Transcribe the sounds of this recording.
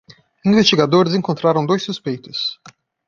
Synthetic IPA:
ĩvest̪iɡad̪oɾɪzẽŋkõnt̪ɾaɾɐ̃w̃d̪ojsːuspejt̪ʊs

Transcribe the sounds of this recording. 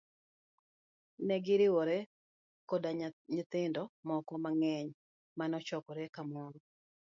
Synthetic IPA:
nɛɡɪɾɪwɔɾɛ | kɔdaɲɪt̪ɪndɔmɔkɔmaŋɛɲ | manɔt͡ʃɔkɔɾɛkamɔɾɔ

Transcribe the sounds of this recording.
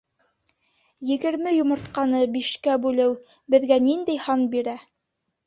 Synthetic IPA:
jɘ̆ɡɘ̆ɾmɘjŏmŏɾt̪qɑnɤbiʃkæbʉlɘw | bɘ̆ðɡænind̪ɘjhɑnbiɾæ

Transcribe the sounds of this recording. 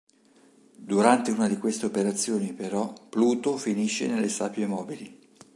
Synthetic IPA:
d̪uɾant̪euːnad̪ikwest̪eopeɾat̪sːjoːnipeɾɔpluːt̪ofiniʃːenelːesapjemɔːbili

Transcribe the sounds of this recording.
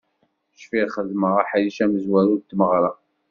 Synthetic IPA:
ʃfiʁχəðməʁaħajiʃæməzwæɾʊɾt̪ːməʁɾˤɑ

